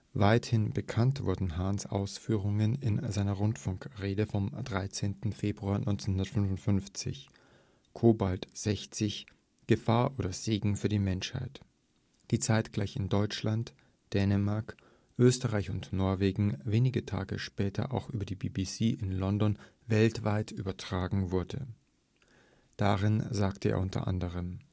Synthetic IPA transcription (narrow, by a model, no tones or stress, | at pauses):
vaɪthɪnbəkʰantv̥ʊɐdn̩ɦaːnsʔa̰ʊsfyːʁ̞ʊŋənɪnzaɪnɐʁʊntfʊŋkʁeːdəfɔmd̥ʁaɪt͡seːntn̩feːbʁuaːnʔɔ̰ʏnt͡senhʊndɐtfʏnvʊntfʏnft͡sɪ̰ç | kʰoːbaltz̥ɛçt͡sɪç | ɡ̥əfaːɐʔoːdɐz̥eːɡŋ̩fyːɐdiːmɛnʃha̰ɪt | d̥iːt͡saɪtɡ̥laɪçɪndɔʏt͡ʃlant | d̥ɛːnəmaɐk | ʔøːstəʁaɪçʊntnɔɐveːɡŋ̩veːnɪɡətʰa̰ːɡə̰ʃpɛːtʰɐ̰ʔa̰ʊxʔyːbɐdiːbiːbisiːʔɪnlɔndɔn | vɛltv̥aɪty̰ːbɐtʁ̥aːɡŋ̩vʊɐdə̰ | d̥aʁɪnzaːktəʔḛːɐʔʊntʰɐ̰ʔa̰ndəʁ̞əm